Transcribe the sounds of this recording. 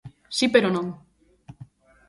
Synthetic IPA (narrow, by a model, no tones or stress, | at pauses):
sipeɾonõŋ